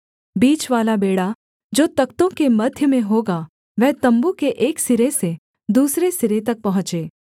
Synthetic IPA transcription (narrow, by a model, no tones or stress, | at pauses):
biːt͡ʃʋaːlabeːɽa | d͡ʒoːt̪ɐkt̪õkemɐd̪ʱjəmẽɦoːɡa | ʋɛɦt̪ɐ̃mbukeʔeːksɪɾese | d̪uːsɾesɪɾet̪̬ɐk̚pɐɦʊ̃t͡ʃeː